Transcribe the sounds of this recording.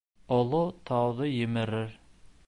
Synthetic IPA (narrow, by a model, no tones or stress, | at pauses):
olˠʊt̪ʰɑwd̪əjɪmɪɾɪɾ